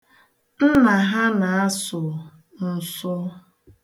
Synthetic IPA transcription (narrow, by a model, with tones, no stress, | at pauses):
n̩˦na˨ɦa˦na˨a˦sʊ˨ | n̩˨sʊ˦